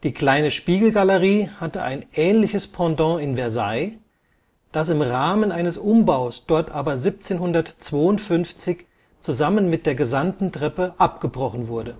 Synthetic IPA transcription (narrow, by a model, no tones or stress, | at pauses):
d̥iːkl̥aɪnəʃpiːɡl̩ɡaləʁiːhatəʔa̰ɪnʔɛːnlɪçəspʰɑ̃dɔ̃ɪnvɛɐza̰ɪ | d̥as̬ɪmʁaːmənʔaɪnəsʔʊmbaʊsd̥ɔɐtʔaːbɐzip̚t͡seːnhʊndɐtt͡sv̥oːʊntfʏnft͡sɪç | t͡suzamənmɪt̚d̥eːɐɡəzamtn̩tʁ̥ɛpəʔap̚ɡ̥əbʁɔχn̩vʊɐdə